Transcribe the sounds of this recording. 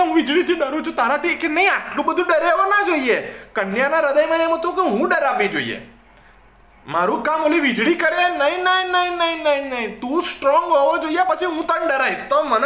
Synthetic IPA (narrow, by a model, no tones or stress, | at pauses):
oɦũʋid͡ʒɽit̪ʰiɖəɾũt͡ʃʰut̪aɾat̪ʰikenəĩaʈlũbəd̪ʱũɖəɾeʋonad͡ʒoiekənjanaɾəd̪əjmãemɦət̪ũkeɦũɖəɾaʋid͡ʒo̰ḭjḛ | maɾũkamoliʋid͡ʒɽikəɾenəinəĩnəĩnəĩnəĩnəĩt̪ũsʈɾɔŋɡɦɔʋod͡ʒoijepət͡ʃʰiɦũt̪anɖəɾaiʃt̪ɔmən